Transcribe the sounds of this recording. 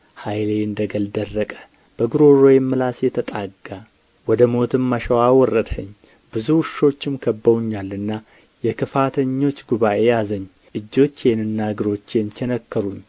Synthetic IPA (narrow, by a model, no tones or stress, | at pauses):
hajleɨnd̪əɡəld̪ərːəkʼə̥ | b̥əɡɨɾo̞ɾo̞jɛmːɨlasjɛt̪ʰət̪ʼaɡa | wɔd̪əmo̞t̪ʰɨmːəʃəwawɔrːəd̪həɲː | b̥ɨzuʃo̞t͡ʃːɪmkʰəbːəwɲːalːɨnːa | jɛkʰɨfat̪ʰəɲːo̞t͡ʃːɡuβaʔe̞jazəɲː | ʔɨd͡ʒːo̞t͡ʃːenɨnːaɡɨɾo̞t͡ʃːjent͡ʃʰɛnəkːəɾuɲː